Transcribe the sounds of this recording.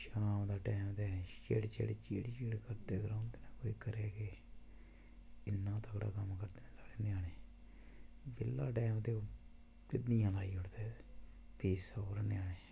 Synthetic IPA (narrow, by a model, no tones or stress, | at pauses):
ʃaːmd̪aːʈɛːmt̪eːt͡ʃḛɽt͡ʃḛːɽt͡ʃiːɽt͡ʃeːɽkəɾd̪eːɡəɾãːnd̪eːnaːkoːiːkəɾeːkeː | ɪnːãːt̪əkɽa̰ːkəmkəɾd̪eːnẽːsaːɽeːnɪjaːɽeː | bɪlːaːʈɛːmt̪eːo | pɪd̪nijãːlaːiːɦʊʈd̪eː | t̪iːsoːɾnɪjaːɽeː